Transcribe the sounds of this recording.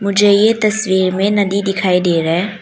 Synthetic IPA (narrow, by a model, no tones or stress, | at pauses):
mʊd͡ʒʱejet̪ɐswiːɾmẽnɐd̪id̪ɪkʰaːid̪eːɾɛ